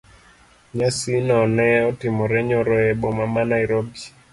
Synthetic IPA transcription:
ɲasinɔnɛɔtimɔɾɛɲɔɾɔɛbɔmamanaiɾobi

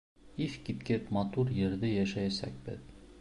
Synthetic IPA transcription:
ifkʲit̪kʲet̪mɑt̪uɾjeɾd̪ɘjæʃæjæsæ̰k̚ʲbɘ̰ð

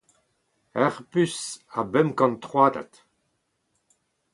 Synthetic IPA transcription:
ɛʁpysabɛmkɑ̃nt̪χwaːd̪a̰t̪

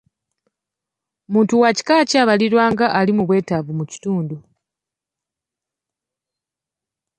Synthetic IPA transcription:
muːntuwaci̥kaːciaːβaliɾwaːŋɡaʔalimuβwe̞ːtavumuci̥tuːndu

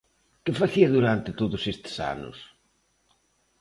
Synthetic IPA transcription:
kɪfaθiɐðuɾant̪ɪt̪oðʊsest̪ɪ̥sa̰nʊ̰s

